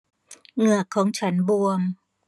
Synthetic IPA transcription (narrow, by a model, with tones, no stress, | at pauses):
ŋɯ˨˩əkʰːɔː˩˦ŋt͡ɕʰa˦˥nbu˧əm